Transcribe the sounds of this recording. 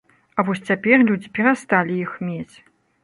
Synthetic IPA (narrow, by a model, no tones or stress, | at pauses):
ɐvɔsʲt͡sʲapʲɛrlʲud͡zʲipʲɛɾast̪alʲijixmʲet͡sʲ